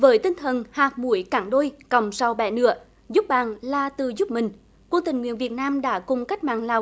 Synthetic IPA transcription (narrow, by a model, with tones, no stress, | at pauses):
vəː˨˦jt̪ï˧ŋt̪ʰə˨˩nhaː˨˩k̚mu˧˩əjkaː˨˩ŋɗo˧jkə˨˩wŋ͡msa˧wɓɛ̰˧˩nɨ̰˧˥ə | zʊ˦˥p̚ɓa̰ː˨nlaː˨˧˩t̪ɨ˨˩zʊ˦˥p̚mï˨˩ŋ̟ | kwə˧ŋt̪ï˨˩ŋ̟ŋwḭ˧˥ənvi˨˩ət̚naː˧mɗa̰ː˧˥kʊ˨˩ŋ͡mka˦˥k̚ma̰ː˧˨ŋlaː˨˩w